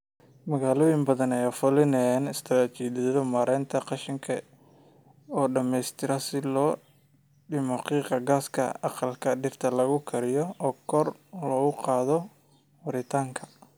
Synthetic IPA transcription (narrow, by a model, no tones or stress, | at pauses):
mɐɣaːlɔːjɪmbɐðɐnɛjafʊlɪnɛjaːnɪst̪ʰɐɾat͡ʃiːdɐðɔmaːɾɛːnt̪ʰɐqɑʃɪŋkʰɐ | ɔːɖɐmɛjst̪ʰɪɾɐsɪlɔː | ɖɪmɔqiːqɐɡaːskʰɐ̰ɑqɑlkʰɐɖɪrt̪ʰɐlɐɣʊkʰɐɾɪjɔɔːkʰɔrlɔːɣʊqɑːðɔ | wɐɾɪt̪ʰaːŋkʰɐ